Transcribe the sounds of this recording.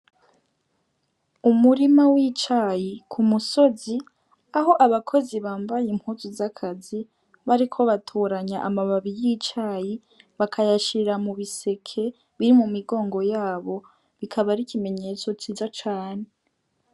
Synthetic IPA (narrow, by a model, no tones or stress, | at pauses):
umuɾimawit͡ʃajikʰumuso̞zi | aɦo̞ʔaβakʰo̞ziβaːmbajim̥huzuzakʰazi | βaɾikʰo̞βatʰoɾaɲaʔamaβaβijit͡ʃaji | βakʰajaʃiɾamuβise̞kʰe̞ | βiɾimumiɡo̞ːŋɡo̞jaːβo̞ | βikʰaβaɾikime̞ɲe̞t͡so̞t͡ʃiːzat͡ʃaːne̞